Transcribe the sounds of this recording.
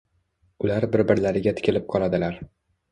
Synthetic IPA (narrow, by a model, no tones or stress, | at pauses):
ʊlaɾbɪɾbɪɾlaɾɪɡʲat̪ʰɪ̥kʲʰɪlɪp̚qʰɒlˠad̪ɪlaɾ